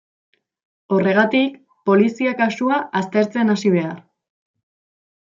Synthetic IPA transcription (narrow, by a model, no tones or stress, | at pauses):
o̞re̞ɣ̞at̪ik | po̞lisiakasuaʔast̪e̞ɾt͡se̞nasiβ̞e̞aɾ